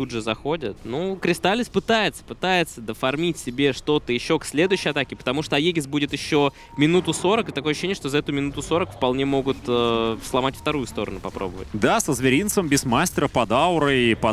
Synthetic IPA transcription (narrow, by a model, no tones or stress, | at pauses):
udʐɨzɐxo̞dʲɪt̪nukɾʲɪst̪alʲɪsʲpɨt̪ajɪt̪sə̥pɨt̪ajɪt̪səd̪əfɐrmʲitʲsʲɪbʲe̞ʂt̪o̞t̪əjɪɕːo̞ksʲlʲe̞d̪ʊjʉɕːɪjɐt̪akʲɪpə̥t̪ɐmuʂt̪oɐjeɡʲɪtsbudʲɪt̪jɪɕːo̞ | mʲɪnut̪ʊso̞ɾəkɨt̪ɐkojəɕːenʲɪəʂt̪ozɐɛt̪ʊmʲɪnut̪ʊso̞ɾəkfpɐlˠnʲemo̞ɡʊt̪əslˠɐmatʲft̪ɐɾujʊst̪o̞ɾə̰nʊpɐpɾo̞̰bəvə̰tʲd̪asəzvʲɪɾʲint̪səmbʲɪsmasʲtʲɪɾəpɐd̪aʊɾɨipɐ